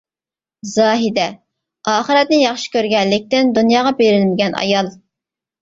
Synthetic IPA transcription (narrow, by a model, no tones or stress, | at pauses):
zɑːɦɪd̪ɛ | ɑːχəɾɛt̪̚nɪjɑχʃi̥kʲʰøɾɡʲɛnlɪk̚ʲt̪ɪnd̪unjɑːʁɑbeɾɪlmɪɡʲɛnʔɑ̰jɑlˠ